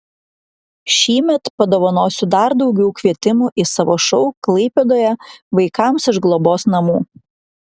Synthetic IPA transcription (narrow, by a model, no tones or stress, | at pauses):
ʃʲiːmʲɛt̪pɐd̪oːʋɐnoːsʲʊd̪ɐɾd̪ɒʊɡʲɛʊkʲʋʲiɛt̪ʲɪmuʔisɐʋoːʃɔʊklˠɐɪpʲeːd̪oːjɛʋɐɪkɑˑmsɪʒɡlˠoːboːsnɐmuː